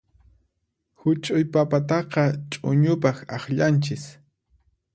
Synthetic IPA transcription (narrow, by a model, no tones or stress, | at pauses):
hʊt͡ʃʼʊjpapat̪ɑqɑt͡ʃʼʊ̰ɲʊpɑχɑχʎant͡ʃɪs